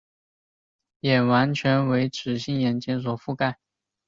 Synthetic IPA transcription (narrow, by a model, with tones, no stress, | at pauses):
jɛ˨˩wa˧˥nt͡ɕʰɥɛ˧˥nwe˧˥ɪʈ͡ʂʰɻ̩˨˥ɕi˥˩ŋjɛ˨˩nt͡ɕɛ˥ŋs̬wɔ˨˩fu˥˧ka˥˩ɪ